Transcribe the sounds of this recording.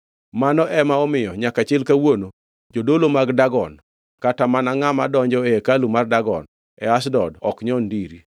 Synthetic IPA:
manɔʔɛmaɔmɪjɔɲakat͡ʃɪlkawono | d͡ʒodolomaɡdaɡɔn | katamanaŋamadɔɲd͡ʒɔekalumardaɡɔ̰n | ɛ̰asdɔdɔkɲɔndiɾi

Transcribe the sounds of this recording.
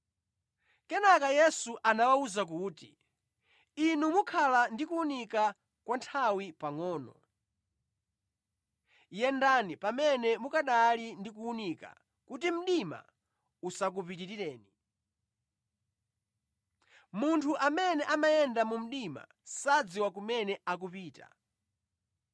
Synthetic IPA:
kɛnakajɛsuʔanawauzak̬uːti | inumukʰalandikuunika | kwantʰawipaŋɔːnɔ̰ | jɛndanipamɛnɛmukaɗalindik̬uːnika̰ | kutim̩ɗima̰ | usak̬upititiɾɛːni | muntʰuʔamɛnɛʔamajɛndamum̩ɗima̰ | sad͡ziwakumɛnɛʔak̬upiːta̰

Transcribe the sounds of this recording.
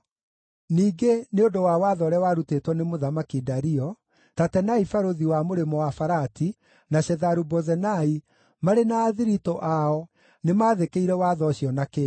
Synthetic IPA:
niːɡeneodowawaːðɔɾɛwaɾutetwɔnemoðamakidaɾiɔ | tatɛnaifaɾoðiwamoɾemɔwafaɾati | naɕɛðaɾubɔzɛnai | maɾenaːðiɾitɔʔaɔ | nemaːðekeiɾɛwaːðɔɕjɔnake

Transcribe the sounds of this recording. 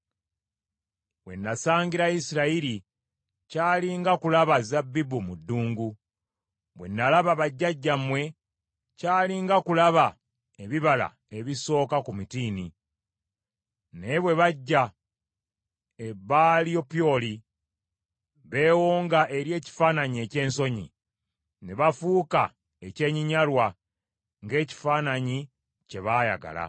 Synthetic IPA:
βwe̞̰nːasaːɲɟiɾaisiɾaiɾi | caːliŋɡakulaβazabːibumudːuːŋɡu | βwe̞̰nːalaβaβaɟːaɟːamwe̞ | caːliːŋɡakulaβa | eβiβala̰ | e̞βiso̞ːkakumitiːni | ne̞βwe̞βaɟːa | eβalio̞pjo̞li | βe̞ːwoːŋɡaʔe̞ɾje̞ːci̥faːnaɲie̞ce̞ːnso̞ɲḭ | ne̞βafuːka | e̞ce̞ːɲiɲalwa | ŋɡe̞ːci̥faːnaɲi | ce̞βaja̰ɡa̰la̰

